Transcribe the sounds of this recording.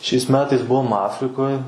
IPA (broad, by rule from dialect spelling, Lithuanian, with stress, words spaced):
ʃʲɛɪs ˈmʲæːtɐɪs ˈbuɔm ˈɑːfʲrʲɪkoːj